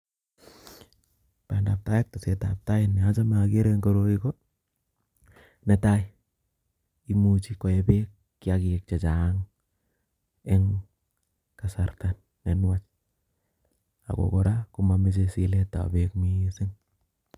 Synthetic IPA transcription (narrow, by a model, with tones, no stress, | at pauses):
pa˨nda˨p̚ta˦je˦k̚to˨se˨ta̰˨p̚ta˦jɪ˦ni˨a˦t͡ʃa˦ma˨ke˦ɾe˦ŋɡo˦ɾo˦ki˦ko˦ | nɛ˨ta˦jɪ | i˦mut͡ʃi˦kɔ˨je˦be˦kːi˦a˦ki˨k̚t͡ʃɛ˨t͡ʃa˨˦ŋ | ɛ˦ŋ | ka˨sa˨rta˨nːɛ˨nwa˦t͡ʃ | a̰˨ko̰˨ko˨ɾa˦ku˦ma˨me˦s̬e˨si˨le˦ta̰˨bekmi˦sɪ˦ŋ